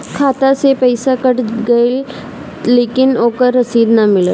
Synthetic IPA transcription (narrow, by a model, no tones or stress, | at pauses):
kʰat̪asepəjsakəʈɡəjlː | ekinokəɾːəsiːd̪namilə